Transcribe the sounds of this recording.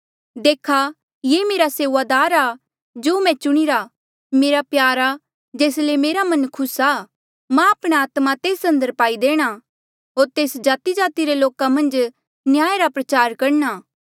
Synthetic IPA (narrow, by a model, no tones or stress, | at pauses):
d̪eːkʰa | jeːmeːɾaseːʋad̪aːɾa | d͡ʒoːmɛ̃t͡ʃʊɽ̃iɾa | meːɾapjaːɾa | d͡ʒeːslemeːɾamɐ̃nkʰʊsaː | mãɐpɽ̃eaːt̪mat̪eːsɐ̃nd̪əɾpaːid̪eːɽ̃a | ɦoːɾt̪eːsd͡ʒaːt̪id͡ʒaːt̪iɾeloːkamɐ̃nd͡ʒ | nɪjaːeɾapɾɐt͡ʃaːɾkɐɽnaː